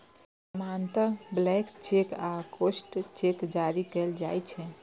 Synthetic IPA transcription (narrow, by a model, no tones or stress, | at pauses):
mant̪əɾblɛkt͡ʃekakosʈt͡ʃekd͡ʒaɾikɛld͡ʒajt͡ʃʰɛ